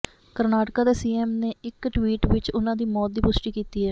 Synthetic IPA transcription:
kəɾnaːʈkaːd̪eːsiːeːmneːɪkʈʋiːʈʋɪt͡ʃʊnãːd̪iːmɔːt̪̚d̪iːpʊsʈiːkiːt̪iːɦɛː

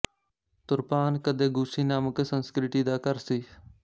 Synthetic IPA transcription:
t̪ʊɾpaːnkəd̪eːɡʊsiːnaːməksənskɾɪʈiːd̪aːkəɾsiː

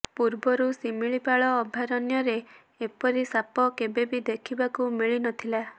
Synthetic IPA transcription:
puɾbɔɾusimiɭipaɭɔːbʱjaɾɔnjɔɾe | epɔɾisapɔkebebid̪ekʰibakumiɭinɔt̪ʰila

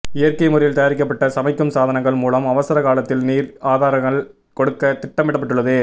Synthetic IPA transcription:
ɪjɐɾkɐɪmʊɾɐjɪlt̪ɐjaːɾɪk̬ːɐpːɐʈːɐsɐmɐɪkːɯmsaːðɐnɐŋɡɐɭmuːlɐmɐʋɐsɐɾɐkaːlɐt̪ːɪlniːɾaːðaːɾɐŋɡɐɭ | kɔɽɯkːɐt̪ɪʈːɐmɪɽɐpːɐʈːɯɭːɐðɯ

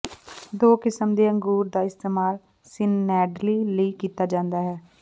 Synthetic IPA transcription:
d̪oːkɪsəmd̪eːəŋɡuːɾd̪aːɪst̪eːmaːl | sɪnːɛːɖliːləiːkiːt̪aːd͡ʒãːnd̪aːɦɛː

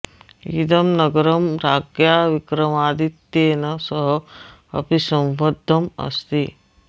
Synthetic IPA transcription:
ḭd̪ɐmnɐɡɐɾɐmɾaːɡjaːʋikɾɐmaːd̪it̪ːjeːnɐsɐɦɐ | ɐ̰pisɐ̃wʋɐd̪ʱːɐmɐ̰st̪i

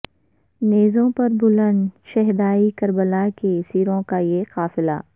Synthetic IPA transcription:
neːzõpɐɾbʊlə̃nd̪ʃɛɦd̪aːikɐɾbəlakesiːɾõkajeqaːfɪla̰ː

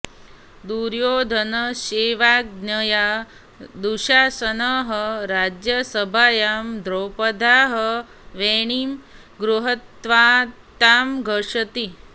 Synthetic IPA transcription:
d̪uɾjoːd̪ʱənəʃeːʋaːɡnəja | d̪uʃaːsənəɦəɾad͡ʒjəsəbʱaːjaːmd̪ʱɾoːpəd̪ʱaːɦə | ʋeːɳ̃iːm | ɡɾuɦət̪ʋaːt̪aːmɡʱəʂət̪i

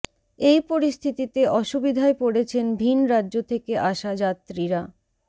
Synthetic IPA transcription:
ejpoɾist̪ʰit̪it̪eʔɔʃubid̪ʱaepoɽet͡ɕʰenbʱinɾadːʑot̪ʰekeʔaʃad͡ʑat̪ːɾiɾa

